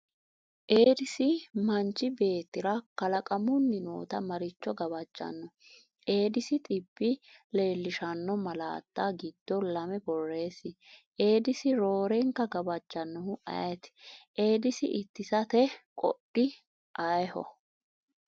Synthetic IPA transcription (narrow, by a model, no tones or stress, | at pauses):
ʔeːd̪ɪsɪmɐnt͡ʃːɪbe̞ːt̪ːɪɾɐkɐlɐkʼɐmʊnːɪno̰ːt̪ɐmɐɾɪt͡ʃːɔɡɐbɐd͡ʒːɐ̰nːɔ | ʔe̞ːd̪ɪsɪt̪ʼɪbːɪle̞ːlːɪʃɐnːɔmɐla̰ːt̪ːaɡɪd̪̥ːɔlɐmɛbɔrːe̞ːsɪʔe̞ːd̪ɪsɪɾo̞ːɾɛŋkɐɡɐbɐd͡ʒːɐnːɔhʊʔɐ̰jɛt̪ʔe̞ːd̪ɪsɪʔɪt̪ːɪsɐt̪ɛkʼɔ̰ɗɪ | ʔɐjhɔ̰